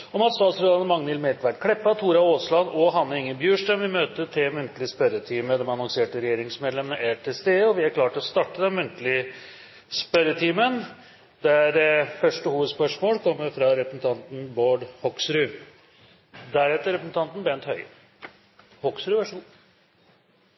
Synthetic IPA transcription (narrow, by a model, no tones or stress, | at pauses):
ɔmɑt̪st̪ɑːt̪sɾɛɑnəmɑŋnɛlmɛɾkʋækʰɽɛpːɑt̪ʰuːɾɑoːslɑnɔɦɑnːəɾɪŋːənbjʉːʂʈəmʋɪmøːt̪ət̪ʰɪlmʉnt̪əlɪəspœɾət̪ʰiːməd̪ɛmɑnɔŋseːʈəɾɛjeːɾɪŋsmeːd̪lɛmənəʔæʈʰɪst̪eːɔʋɪæɾkʰlɑːʈəɔst̪ɑʈːəd̪ɛnmʉnt̪lɪ | spœɾət̪ʰiːmən | d̪ɛæɾfœʂʈəhuːʋəd̪spœʂmoːlkʰɔmːəɾfɾɑɾɛpɾəsn̩t̪ʰɑnt̪n̩boːɖhɔksɾʉ | d̪æɾɛt̪ːəɾɛpɾəsn̩t̪ʰɑnt̪n̩bɛnt̪hœʏ | hɔksɾʉʋæʂuː